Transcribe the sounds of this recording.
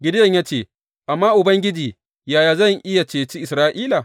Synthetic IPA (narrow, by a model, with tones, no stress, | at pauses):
ɡʲɪ˨˦djɐ˨ɲjaː˦t͡ʃeː˦˨ | ʔa˨mːaː˦ʔʊ˨bɐ˦ŋɡʲɪ˦d͡ʒiː˨ | jaː˨jaː˨zɐ˦˨ŋʔɪ˦ja˨t͡ʃeː˨t͡ʃi˦ʔɪ˨sɾaː˦ʔiː˦la˨